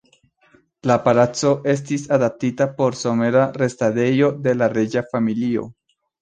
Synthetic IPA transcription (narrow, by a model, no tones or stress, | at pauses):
lapalat͡so̞ʔe̞s̬tisadap̚titapo̞ɾso̞me̞ɾaɾe̞stade̞jo̞de̞laɾed͡ʒafamilio̞̰